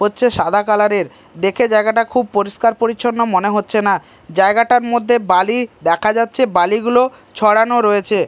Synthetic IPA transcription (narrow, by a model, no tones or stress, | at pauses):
ɦotːɕʰeʃad̪ʱakalaɾeɾ | d̪ekʰed͡ʑaeɡaʈakʰub̚poɾiʃkaɾpoɾit͡ɕʰonːomoneɦotːɕʰena | d͡ʑaeɡaʈaɾmod̪ʱːebalid̪ɛkʰad͡ʑatːɕʰebaliɡulo | t͡ɕʰɔɽanoɾoet͡ɕʰe